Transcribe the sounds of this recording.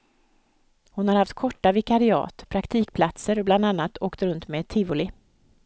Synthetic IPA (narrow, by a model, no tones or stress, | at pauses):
hʊnhaɾhaft̪̚kʰɔʈːavɪkaɾɪɑ̰ːt̪pʰɾakt̪ʰiːkpʰlat̪səɾɔbland̪anːat̪ʰoːkt̪ɾɵnt̪meːt̪ʰɪvʊlɪ